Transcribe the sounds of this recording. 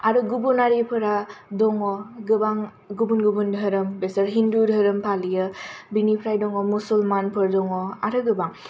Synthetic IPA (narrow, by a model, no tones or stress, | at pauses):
aɾɯɡubunaɾepʰɯɾadɔŋɔɡɯbaŋ | ɡubunɡubundʱəɾɯmbesəɾɦindudʱəɾɯmpʰalijɯbinipʰɾajdɔŋɔmusulmanpʰɯɾdɔŋɔaɾɯɡɯbaŋ